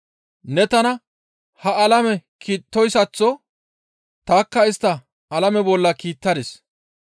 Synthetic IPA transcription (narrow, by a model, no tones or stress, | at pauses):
nɛt̪ɐnɐ | hɐɐlɐmɛkʰiːt̪ːɔjsɐt͡sːɔ | t̪aːkːɐɪst̪ːɐ | ɐlɐmɛbɔlːɐkiːt̪ːɐd̪ɪs